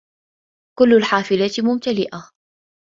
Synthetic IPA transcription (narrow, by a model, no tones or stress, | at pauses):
kʊlːalħaːfɪlat̪mʊmt̪alɪʔa